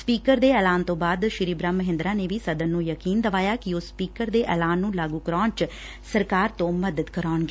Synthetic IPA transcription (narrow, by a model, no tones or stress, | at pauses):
spiːkəɾd̪eːɛːlaːnt̪õːbaːd̪ʃɪɾiːbɾaːməɦɪ̃nd̪ɾaːneːʋiːsəd̪ənːũːjəkiːnd̪əʋaːjaːkɪʊsːpiːkəɾd̪eːʔɛːlaːnːũːlaːɡuːkəɾaːɳt͡ʃ | səɾkaːɾt̪õːməd̪əd̪kəɾaːnɡeː